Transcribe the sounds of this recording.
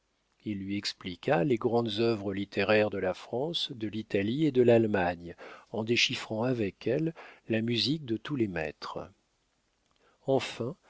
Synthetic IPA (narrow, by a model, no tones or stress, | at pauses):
ilːɥiɛksplikʰaleɡʁɑ̃d̪zœvʁəlit̪ʰeʁɛʁd̪əlafχɑ̃sd̪əlit̪alied̪əlalmaɲɑ̃d̪eʃifχɑ̃avɛkʰɛlːamyzik̚d̪ət̪ulemɛ̰t̪χ | ɑ̃fɛ̃